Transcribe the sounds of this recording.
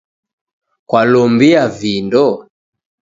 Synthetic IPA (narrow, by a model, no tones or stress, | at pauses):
kwalɔmbiavindɔ